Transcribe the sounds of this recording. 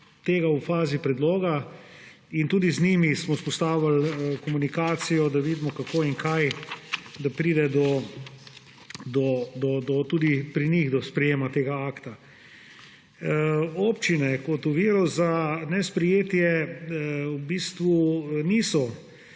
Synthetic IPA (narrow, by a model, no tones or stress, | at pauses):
t̪eːɡaufaːzipɾɛd̪loːɡa | int̪uːd̪iznimismɔspɔst̪aːwlalkɔmunikaːt̪sijɔd̪aʋiːd̪mɔkakoːiŋkʰaj | d̪apɾiːd̪ɛd̪ɔ | d̪ɔd̪ɔd̪ɔt̪ud̪ipɾiniɣd̪ɔspɾɛjeːmat̪eːɡaaːkt̪a | oːpt͡ʃinɛkɔt̪uʋiːɾɔzanɛspɾɛjeːt̪jɛ | ubiːst̪ʋunisɔ